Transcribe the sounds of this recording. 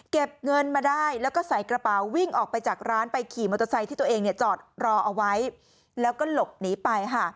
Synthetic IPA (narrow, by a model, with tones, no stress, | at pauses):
ke˨˩p̚ŋɤ˧nmaː˧daː˥˩jlɛː˦˥wkɔː˥˩sa˨˩˦jkɾa˧paː˨˩wːi˥˩ŋʔɔː˨˩k̚pa˧jt͡ɕaː˨˩k̚ɾaː˦˥npa˧jkʰiː˨˩mo˧t̪ʰːa˧sa˧j̪t̪iː˥˩t̪u˧əʔeː˧ŋni˥˩ɐt͡ɕɔː˨˩t̪̚ɾɔː˧ʔa˧wa˦˥j | lɛː˦˥wkɔː˥˩lo˨˩p̚niː˩˦pa˧jkʰa˥˩